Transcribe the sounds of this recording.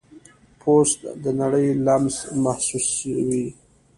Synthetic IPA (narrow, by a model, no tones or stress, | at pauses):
pʰost̪d̪ənaɽəjlamzmahsuswi